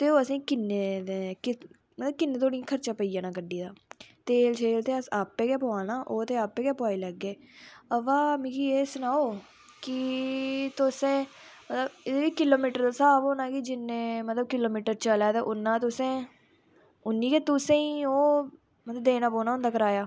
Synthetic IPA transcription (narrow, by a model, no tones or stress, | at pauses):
t̪eːoːəsĩːkɪnːeːd̪eːkɪ | mət̪ləb̚kɪnːeːt̪oːɽijãːkʰəɾt͡ʃaːpəiːjãːnãːkəɖiːd̪aːt̪eːlt͡ʃʰeːlt̪eːəsaːpːeːkɛːpoaːnaːʔoːt̪eːaːpːeːkɛːpʊaːiːləɡːeː | əʋaːmĩːkieːsʊnaːoː | kɪ | t̪ʊsẽːmət̪ləbɪd̪eːʋiːkɪloːmiːʈəɾd̪aːsaːbonãːkid͡ʒɪnːẽːmət̪ləb̚kɪloːmiːʈəɾt͡ʃəlaːt̪eːʔʊnːãːt̪ʊsẽː | ʊnːĩːkeːt̪ʊsẽːiːoː | mət̪ləbd̪eːnãːpoːnaːʊnd̪aːkəɾaːjaː